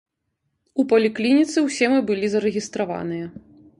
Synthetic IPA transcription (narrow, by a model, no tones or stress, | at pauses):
upɐlʲiklʲinʲit̪sɨwsʲɛmɨbɨlʲizɐɾɨɣʲist̪ɾava̰nɨjɐ